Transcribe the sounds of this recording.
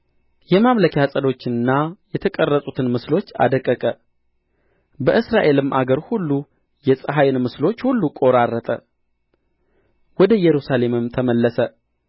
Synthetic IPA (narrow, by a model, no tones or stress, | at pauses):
jɛmamləkʰasʼəd̪o̞t͡ʃːɪnɨnːajɛt̪ʰəkʼərːəsʼut̪ʰɨnmɨslo̞t͡ʃːa̰d̪əkʼːəkʼə | bəʔɨsɾaʔe̞lɨmʔaɡəɾhulːu | jɛsʼəɦajnmɨslo̞t͡ʃːhulːukʼo̞ɾarːət̪ʼə̰ | wɔd̪əjɛɾusale̞mɨmt̪ʰəməlːəsə